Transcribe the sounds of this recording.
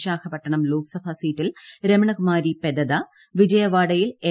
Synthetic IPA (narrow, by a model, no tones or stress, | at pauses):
ɕaːkʰɐpːɐʈːɐɳɐmloːksɐbʱɐsiːtːilɾemɐɳɐkumaːɾiped̪ɐd̪ɐ | ʋid͡ʑɐjɐʋaːɽɐjile